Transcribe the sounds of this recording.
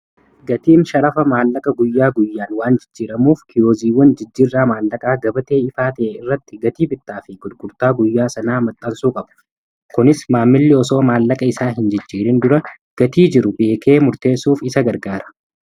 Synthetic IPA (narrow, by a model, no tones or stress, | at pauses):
ɡɐt̪iːnʃɐɾɐfɐmaːlːɐkʼɐɡʊjːaːɡʊjːaːnwaːnd͡ʒɪd͡ʒːiːɾɐmuːfkʰɪjoːziːwɐnd͡ʒɪd͡ʒːiːrːaːmaːlːɐkʼaːɡɐbɐt̪e̞ːɪfaːt̪ɐʔɛɪrːɐt̪ːɪɡɐt̪iːbɪt̪ːaːfɪɡʊd̪ɡʊɾt̪aːɡʊjːaːsɐnaːmɐt̪ʼːɐlsuːkʼɐbɐ̥ | kʊnɪsmaːmːɪlːɪɔso̞ːmaːlːɐkʼɐɪsaːɦɪnd͡ʒɪd͡ʒːiːɾɪnd̪ʊɾɐ | ɡ̥ɐt̪iːd͡ʒɪɾʊbe̞ːke̞ːmʊɾt̪e̞ːsuːfɪsɐɡɐɾɡaːɾɐ̥